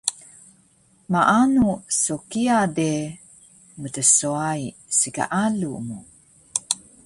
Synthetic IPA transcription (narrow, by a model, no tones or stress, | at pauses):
maʔanusokiade | mətəsoai | sika̰ʔalumu